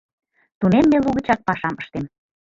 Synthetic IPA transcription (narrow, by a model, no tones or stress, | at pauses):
t̪unemːeluɣə̆t͡ɕɑk̚pɑʃɑməʃt̪em